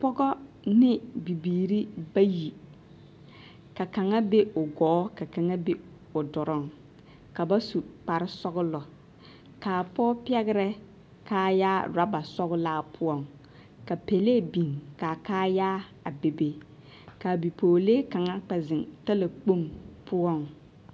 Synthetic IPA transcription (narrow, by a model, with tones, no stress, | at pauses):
pɔ˦ɡɔ˦ | nɪ˦bi˨biː˨ɾi˦ba˦ji˨ | ka˨ka˨ŋa˦be˦ʊ˨ɡɔː˨˦ka˨ka˨ŋa˦be˦ | ʊ˨dʊ˨ɾʊ˦ŋ | ka˨ba˦su˨k͡pa˨ɾɪ˦sɔ˦ɡʊ˦lɔ˨ | kaː˨pɔ˦pi˦ɛ˦ɣɪ˦ɾɛ˦ | kaː˦jaː˦ɾa˦ba˨sɔ˦ɣʊ˦laː˦pʰʊ˦ɔ˦˨ŋ | ka˨pe˨leː˦˨bi˨ŋka˨kaː˦jaː˦ | a˨be˨be˨ | ka˨bi˨poː˨leː˦ka˨ŋa˦k͡pɛ˨zɪ˨nta˦la˨k͡po˦mpʰʊ˦ɔ˦˨ŋ